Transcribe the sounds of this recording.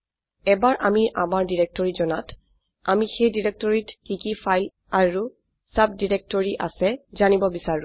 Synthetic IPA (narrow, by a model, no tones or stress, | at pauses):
ɛbaɹʔamiʔamaɹdiɹɛk̚tɔɹizɔnat | amixejdiɹek̚tɔɹitkikifʰajl | aɹu | sab̚diɹek̚tɔɹiʔa̰sɛzanibɔbisaɹũ